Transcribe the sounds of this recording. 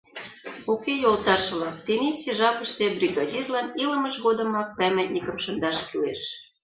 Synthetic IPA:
ukejolˠt̪ɑʃlɑt̪enisʲeʒɑkə̆ʃt̪ebrʲiɣɑd̪ʲirlɑnilə̆məʃɣod̪ə̆mɑk̚pæmæt̪ʲnʲikə̆mʃɤ̆nd̪ɑʃkyleʃ

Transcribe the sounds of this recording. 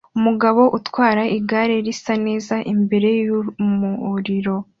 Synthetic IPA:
umuɡaβo̞ʔutwaːɾaʔiɡaɾeɾisane̞ːzaʔimbe̞ɾe̞jumuɾiɾo̞

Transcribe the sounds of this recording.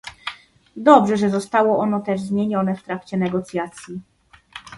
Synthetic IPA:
d̪ɔbʐɛʐɛzɔst̪awɔʔɔnɔt̪ɛʐzmʲjeɲɔnɛft̪ɾakt͡ɕɛnɛɡɔt̪sʲjat̪sʲji

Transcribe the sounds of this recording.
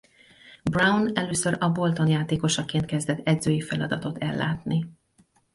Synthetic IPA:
brawnɛløːsøɾɒbo̞lt̪o̞njaːt̪eːko̞ʃɒkeːnt̪̚kɛzd̪ɛt̪ːɛd̪zøːjifɛlɒd̪ɒt̪o̞t̪ɛlːa̰ːt̪ni

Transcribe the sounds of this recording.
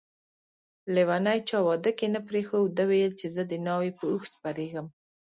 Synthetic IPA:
lewanajt͡ʃɑwɑd̪əkenapɾexowd̪əwejəlt͡ʃezəd̪ənɑwepəuxspaɾeɡəm

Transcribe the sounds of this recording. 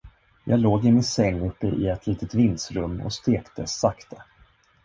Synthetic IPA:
jɑ̰ːɡloːɡɪmɪnsɛŋːɵpːəʔɪɛt̪ʰliːt̪ət̪vɪnsɾɵmːɔ̰st̪eːkt̪ʰə̰sakt̪ʰə

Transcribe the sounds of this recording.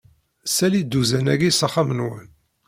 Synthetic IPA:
sælid̪ːuzænæɡisɑχamənwən

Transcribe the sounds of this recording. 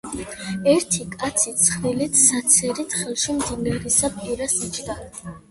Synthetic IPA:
ɛɾt̪ʰikʼat̪sʰit̪sʰχvilit̪ʰsat̪sʰɛɾit̪ʰχɛlˠʃimd̪inɡaɾisapʼiɾasit͡ʃʰd̪a

